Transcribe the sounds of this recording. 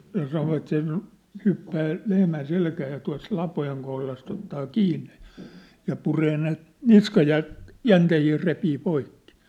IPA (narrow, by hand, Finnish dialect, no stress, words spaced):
jɑ sɑnoʋɑt se hypːæː lehmæn selkæː jɑ tuɑ̝s lɑpojeŋ kohlɑst otːɑː kiːnːe jɑ̥ jɑ pureː ne niskɑjæ jæntehiː repiː poikːi̥